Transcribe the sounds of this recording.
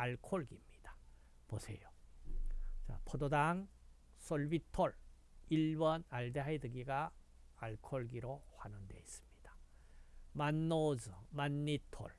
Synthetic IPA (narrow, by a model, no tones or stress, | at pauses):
aɭkʰoɭɡimɲid̥ḁ | posʰe̞̰jo | t͡ɕa̰pʰododaŋ | s͈oɭbitʰoɭ | iɭbʌnaɭdeɦaidɯɡiɡaː | ɭkʰoɭɡiɾoɸwanɯnde̞̰is͈ɯ̥mɲid̥ḁ | manːozɯmanːitʰo̰ɭ